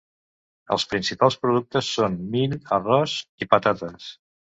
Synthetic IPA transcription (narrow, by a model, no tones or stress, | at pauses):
ə̰lˠspɾinsipalˠspɾuð̞uk̚t̪əsːonmiʎərɔzipət̪at̪əs